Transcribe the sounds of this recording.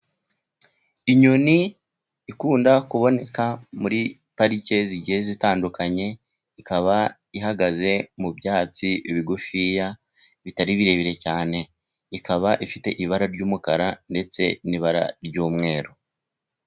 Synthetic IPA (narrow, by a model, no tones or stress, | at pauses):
iɲuniː | kuːndakuβo̞ne̞kamuɾi | paɾice̞ziɟihe̞zitaːndukaɲe̞ | ikaβa | iɦaɡaze̞mubjaːt͡siiβiɡufija | βitaɾiβiɾe̞βiɾe̞caːne̞ | ikaβaʔifite̞ʔiβaɾaɾɟuːmukaɾande̞t͡se̞niβaɾa̰ɾɟuːmŋe̞ːɾo